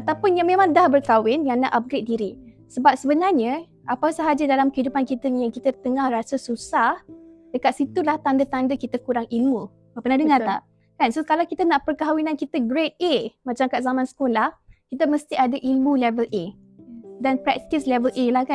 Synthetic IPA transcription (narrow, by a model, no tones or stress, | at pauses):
at̪apʊnjaŋmẽmãŋdahbərkawɪnjaŋnaʔap̚ɡɾet̪̚diɾi | səbap̚səbənarɲə | ʔapasəɦad͡ʒadalamkəhidupankit̪ənijaŋkit̪ət̪əŋahrasəsusahdəkat̪̚sit̪ulaht̪andət̪andəkit̪əkuɾaŋilmu | apənadəŋat̪a̰ | kansokalawkit̪ənaʔpərkaɦawinãnkit̪əɡɾet̪̚emãt͡ʃamkaʔzamãnsə̥kolahkit̪əməst̪iadaʔilmũlɛvəlʔe | danpɾɛk̚t̪islɛvəlʔelahkan